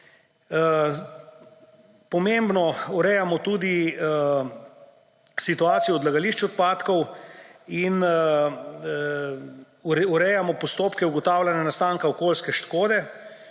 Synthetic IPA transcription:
pɔmembnɔuɾɛjamɔt̪uːd̪i | sit̪uaːt̪sijɔːd̪laɡaliʃt͡ʃɔt̪̚paːt̪kɔw | in | uɾɛjamɔpɔst̪oːpkɛuɡɔt̪awlanjanast̪aːŋkaɔkoːlskɛʃt̪koːd̪ɛ

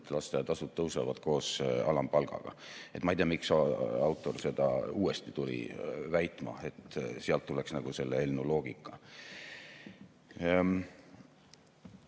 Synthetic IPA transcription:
t̪ːelɑst̪ejɑt̪ɑsud̪ɤwsɑvɑd̪̥ko̞ːsɑlɑmpɑlɡ̥ɑ̰ɡ̥ɑ̰et̪ːˑmɑejt̪eɑmiksɑɑwt̪ːˑo̞rse̞d̪̥ɑ̰uːe̞st̪it̪ulḭvæjt̪ˑmɑ̰e̞t̪ːˑseɑlt̪ːule̞ksnɑɡ̥use̞lːeelnːulo̞ːɡ̥ikːˑɑ

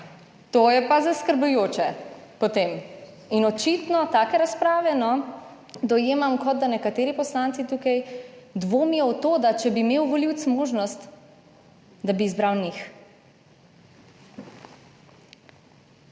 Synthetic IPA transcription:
t̪ojɛpazaskəɾbujoːt͡ʃɛpɔt̪eːm | inɔt͡ʃit̪nɔt̪aːkɛɾaspɾaːʋɛnɔ | d̪ɔjeːmamkɔd̪̚d̪anɛkat̪eːɾipɔslant̪sit̪uːkajd̪ʋoːmjɔwt̪oːd̪at͡ʃɛbiːmeːwʋɔliwt̪smoːʒnɔst̪ | d̪abiːzbɾawnix

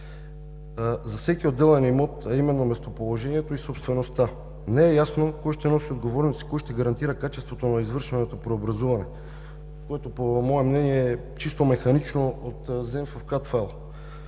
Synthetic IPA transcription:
zɐfsɛk̟iod̪ːɛlɛnimɔt̪ɐimɛnːomɛst̪opolˠoʒɛniɛt̪oisopst̪vɛnost̪a | nɛɛjasnokɔjʃt̪ɛnɔsiod̪ɡovɔɾnit̪si̥kɔjʃt̪ɛɡɐɾɐnt̪iɾəkat͡ʃɛst̪vot̪onɐizvɤɾʃvɛnɛt̪opɾɛobɾɐzuvɐnɛ | koɛt̪opomɔɛmnɛniɛɛ | t͡ʃist̪omɛxɐnit͡ʃnoot̪zɛmfɐfkat̪falˠ

